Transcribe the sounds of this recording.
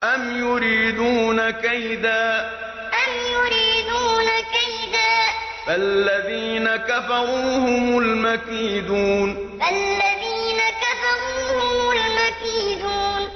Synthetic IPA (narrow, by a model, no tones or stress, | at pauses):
ʔamjʊɾiːd̪uːnakajd̪aː | ʔamjʊɾiːd̪uːnakajd̪aːʔ | alːaðiːnakafɑɾuːhʊmʊlmakiːd̪uːn | alːaðiːnakafɑɾuːhʊmʊlmakid̪uːn